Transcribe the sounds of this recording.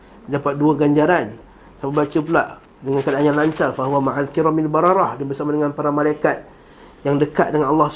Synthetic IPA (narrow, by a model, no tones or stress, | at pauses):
dapat̪̚duaɡaɲd͡ʒaɾan | sapabat͡ʃup̬əla̰ʔ | dəŋankadaʔaɲanlaɲt͡ʃarfaɦuwamaʕalkiɾamalbaɾɑɾɑhdabərsamadəŋanpaɾamãlajkat̪̚ | jaŋdəkat̪̚dəŋanɑlːɑh